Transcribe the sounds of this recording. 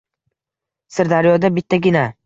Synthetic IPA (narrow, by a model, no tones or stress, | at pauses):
sɪɾd̪aɾjɒd̪abɪt̪ʰːaɡʲɪna